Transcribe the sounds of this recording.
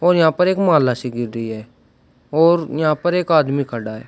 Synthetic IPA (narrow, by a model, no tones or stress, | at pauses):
ɔːɾjəɦãːpəɾeːkmaːlːaːsiːɡɪɾdəiːɛː | ɔːɾjəɦãːpəɾeːkaːd̪mikʰəɖaːɦɛ̰ː